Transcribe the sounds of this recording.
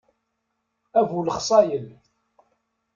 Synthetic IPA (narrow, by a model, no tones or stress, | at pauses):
ævuləχsˤɑjəl